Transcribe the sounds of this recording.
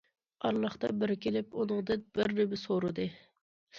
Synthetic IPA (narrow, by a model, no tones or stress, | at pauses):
ɑɾlˠɑχt̪ɑbɪɾkʲelɪpunɨŋd̪ɨnb̥ɪɾːebɪsoɾɨd̪ɨ